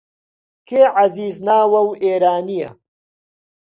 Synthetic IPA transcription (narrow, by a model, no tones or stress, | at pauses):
kʰeːʕaziːznaːwɐweːɾaːnijɐ̰